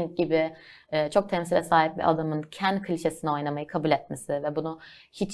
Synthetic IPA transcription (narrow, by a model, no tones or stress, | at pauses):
nɟibɪːt͡ʃʰo̞k̚t̪ʰɛmsilʲɛsaːɦip̚bḭʔa̰d̪amɯncʰænkʰɯlʲʃesinɛo̞jnamajɯkʰabulʲɛt̪̚mesɪvɛbunuhit͡ʃ